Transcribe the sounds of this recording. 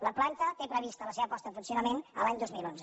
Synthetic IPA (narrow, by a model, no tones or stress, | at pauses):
ləplant̪ət̪epɾəβ̞ist̪ələseβəpɔst̪əðəfunsiunəmenə̰laɲd̪ozmilˠonzə